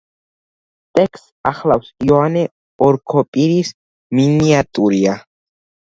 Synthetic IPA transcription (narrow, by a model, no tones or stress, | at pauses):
t̪ʼɛkst̪aχlawsiɔanɛ | ɔɾkʰɔpʼiɾis | miniat̪ʼuɾia